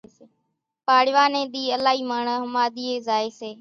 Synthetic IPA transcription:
paːɽɪʋaːnẽːɗ̪iːəlaːɦiːmaːɳəɦəmaːd̪iːeːzaːeːseː

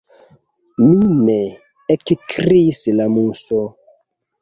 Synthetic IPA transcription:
nunɛ | ɛkikɾisilamusɔ

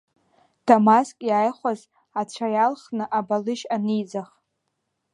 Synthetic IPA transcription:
tʰomaskʼjaːjχʷaz | at͡ɕʷʰajalχnɨʔabalɨʃanɨjd͡zaχ

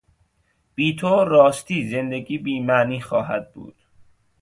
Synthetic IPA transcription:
b̥iːt̪ʰoːɾɒːst̪iːze̞nd̪eɡiːbiːmæniːxɒːɦæd̪̚bṵːd̪̥

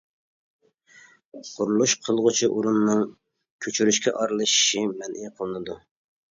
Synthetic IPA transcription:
qʰʊɾulˠuʃqʰəlˠʁʊt͡ʃʰiʔuɾunːɨŋ | kʲʰøt͡ʃʰyɾyʃkʲʰɛ̰ʔɑɾlˠɨʃi̥ʃimɛnʔijqʰəlˠɨnɨd̪u

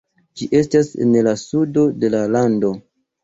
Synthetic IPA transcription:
d͡ʒiʔe̞stasḛnlasudo̞de̞lalando̞

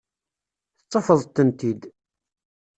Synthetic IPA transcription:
θət͡sˤːəfəðˤt̪ːənt̪id̪

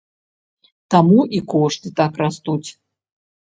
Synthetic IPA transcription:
t̪amuʔikɔʂt̪ɨt̪akrast̪ut͡sʲ

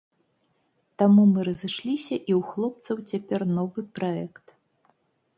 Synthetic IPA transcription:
t̪amumɨɾɐzɨʂlʲisʲɐʔiwxlˠɔp̚t̪sɐwt͡sʲapʲɛrnɔvɨpɾaɛkt̪

